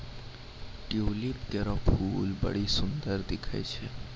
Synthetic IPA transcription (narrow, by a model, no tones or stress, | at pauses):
ʈiolipkeɾɔpʰuːlbə̰ɽisʊnd̪əɾd̪ɪkʰḛt͡ʃʰe